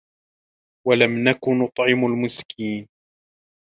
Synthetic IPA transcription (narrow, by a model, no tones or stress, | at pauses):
walamnakʊnːʊt̪ˤʕɪmʊlmʊskiːn